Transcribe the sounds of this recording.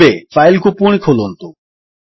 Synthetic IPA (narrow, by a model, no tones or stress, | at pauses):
eːfaːɪlkoːpuːɳ̃ikʰoːloːnt̪oː